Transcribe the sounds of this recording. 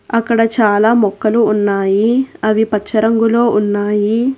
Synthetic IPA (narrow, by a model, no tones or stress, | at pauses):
ɐkːɐɽɐt͡ʃaːlaːmɔkːɐluːnːaːjiɐʋipɐt͡ʃt͡ʃːʃːɐɾɐŋɡulo̞ːʔunːaːji